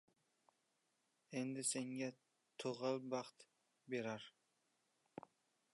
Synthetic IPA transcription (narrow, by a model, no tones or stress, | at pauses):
end̪ɪseŋɡʲa | t̪ʰoʁɑlˠbɑχt̪ | beɾaɾ